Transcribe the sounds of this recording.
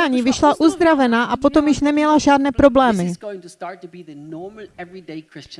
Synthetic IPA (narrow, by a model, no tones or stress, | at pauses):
aːɲiːvɪʃlaʔuzd̪ɾavɛnaːʔapo̞t̪o̞mjɪʃnɛmɲɛlaʒaːdnɛːpɾo̞blɛːmɪɡoʊɪ̃ŋtustaɹtːubiðənɔɹml̩ˠɛvɹideɪkʰɹɪst͡ʃ